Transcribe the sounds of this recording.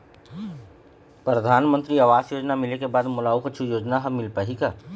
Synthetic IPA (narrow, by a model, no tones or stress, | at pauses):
pɾəd̪ʱaːnmə̃nt̪ɾiɐʋaːzjoːd͡ʒnamɪlekebaːd̪mʊlaːʊkɐtːʃʰijoːd͡ʒnaɦɐːɪlpaɦikaː